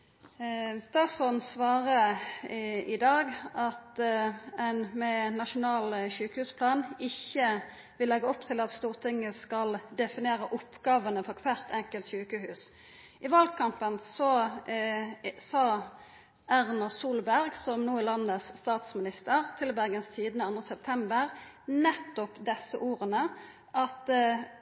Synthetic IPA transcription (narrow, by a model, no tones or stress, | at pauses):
d̪ɑsɔnsʋɑːʁə | ɪd̪ɑːɡʔɑt̪ | ɛnmɛnɑʃʊnɑːlçʉːkəhʉːspʰlɑːnɪçːə | ʋɪlːɛɡəɔpt̪ʰɪlɑt̪st̪uːʁt̪ʰɪŋːəskɑld̪ɛfɪneːʁəʔʊpɡɑːʋənəfɔʁkʰʋæːʁt̪ʰɛŋkəlt̪çʉːkəhʉːs | ʔɪʋɑlɡkʰɑmpənsɔ | sɑː | æʁnɑsuːlbæʁɡsɔmnuːɪlɑnəsːt̪ɑːt̪smɪnɪst̪əʁt̪ʰɪlbæʁɡənst̪ʰiːd̪nəɑnd̪ʁəsɛp̚t̪ʰɛmbəʁnɛt̪ːɔpd̪ɛsəʔuːʁənə | ʔɑt̪